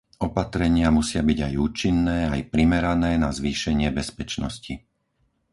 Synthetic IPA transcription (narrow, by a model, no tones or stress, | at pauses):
ʔɔpat̪ɾɛɲɪamusɪabiɟajuːt͡ʃinːɛːajpɾimɛɾanɛːnazʋiːʃɛɲɪɛbɛspɛt͡ʃnɔ̰sci